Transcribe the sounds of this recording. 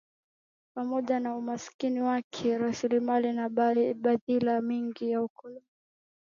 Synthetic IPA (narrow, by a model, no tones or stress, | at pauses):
pamɔʄanaumasi̥kiniwakʰɛɾasilimalinaɓaðilamiŋɡijaukɔlɔn